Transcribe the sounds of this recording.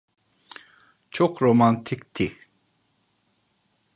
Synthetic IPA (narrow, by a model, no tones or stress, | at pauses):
t͡ʃʰoqɾomant̪ʰik̚t̪ʰi